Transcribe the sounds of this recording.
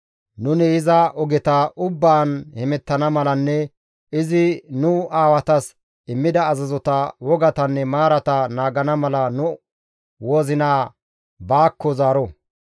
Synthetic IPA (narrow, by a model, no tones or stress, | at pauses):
nʊnɪɪzɐʔɔɡɛt̪ɐʔʊbːaːnhɛmɛt̪ːɐnɐmɐlɐnːɛ | ɪzɪnʊaːwɐt̪ɐs | ɪmːɪd̪ɐːzɐzɔt̪ɐwɔɡɐt̪ɐnːɛmaːɾɐt̪ɐnaːɡɐnɐmɐlɐnʊ | woːzɪnaː | baːkːɔzaːɾɔ